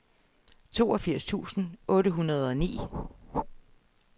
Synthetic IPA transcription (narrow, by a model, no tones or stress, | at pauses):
t͡sʰo̝̰ːɒ̽fiɐ̰st͡sʰṵːsn̩ʔɔ̽ːɾəɦunɐð̞ˠɒ̽nḭː